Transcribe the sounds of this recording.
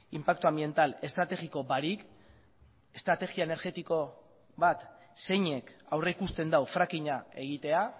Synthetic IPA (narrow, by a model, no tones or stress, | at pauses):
impak̚t̪uambie̞nt̪ale̞st̪ɾat̪e̞ɣiko̞baɾik | e̞st̪ɾat̪e̞ɣiaene̞ɾɣe̞t̪iko̞ | βat̪ | se̞jɲe̞kawre̞ikust̪e̞nd̪awfɾakiɲae̞ɣ̞it̪e̞a